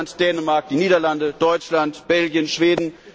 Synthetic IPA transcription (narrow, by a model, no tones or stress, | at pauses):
ntd̥ɛːnəmaɐk̚d̥iːniːdɐlandəd̥ɔʏt͡ʃlantb̥ɛlɡjənʃv̥eːdn̩